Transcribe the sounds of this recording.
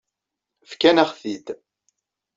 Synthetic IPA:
fkænəχθid̪

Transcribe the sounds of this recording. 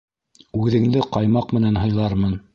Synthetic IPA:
ʉðɘ̆ŋd̪ɘqɑjmɑqmɘ̆nænɦɤ̆jlˠɑɾmɤn

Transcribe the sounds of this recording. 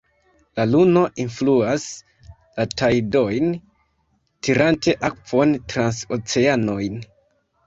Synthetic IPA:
laluno̞ʔinfluas | latajdo̞jn | tiɾante̞ʔak̚po̞ntɾanso̞t͡se̞ano̞jn

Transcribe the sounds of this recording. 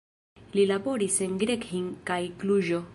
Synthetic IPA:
lilabo̞ɾisenɡɾekhiŋkajkluʒo

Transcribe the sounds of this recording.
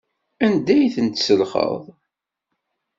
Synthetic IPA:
ænd̪æjθənt̪səlχə̰ðˤ

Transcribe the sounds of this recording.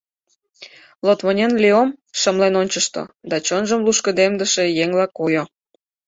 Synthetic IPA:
lot̪βmonʲenlʲiomʃəmlenonʲt͡ɕəʃt̪o̰d̪ɑt͡ɕonʒəmluʃkəd̪emd̪əʃejeŋlɑkojo

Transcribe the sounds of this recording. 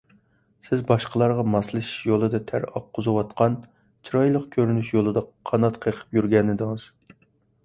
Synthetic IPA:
sɪzbɑʃqəlˠɑɾʁɑmɑslˠɨʃi̥ʃjolˠɨd̪ɑt̪ʰæɾɑqʰːozɨwɑt̪qɑn | t͡ʃʰiɾɑjlˠəqkʲʰøɾynyʃjolˠɨd̪ɑqʰɑnɑt̪qʰəqʰə̥pjyɾɡʲɛnɪd̪ɪŋɨz̥

